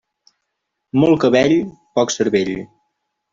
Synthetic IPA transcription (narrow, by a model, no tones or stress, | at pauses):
mɔlˠkəβɛʎpɔksəɾβeʎ